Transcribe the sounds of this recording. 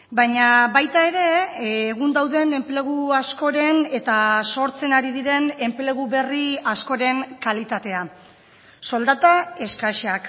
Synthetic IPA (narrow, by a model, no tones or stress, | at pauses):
bajɲaβajt̪ae̞ɾe̞ːɣund̪awðe̞ne̞mple̞ɣ̞uasko̞ɾe̞ne̞t̪aso̞ɾt͡se̞naɾiðiɾe̞ne̞mple̞ɣuβe̞riasko̞ɾe̞ŋkalit̪at̪e̞a | so̞ld̪at̪ae̞skaʃeak